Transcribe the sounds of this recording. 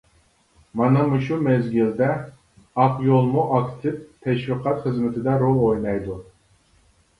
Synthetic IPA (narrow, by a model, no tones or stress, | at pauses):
mɑnɑmuʃumɛzɡʲild̪ɛ | ɑqjolˠmuʔɑkʲt̪ʰɪvt̪ʰɛʃwiqʰɑt̪χəzmɪt̪ʰɪd̪ɛɾolˠojnɑjd̪u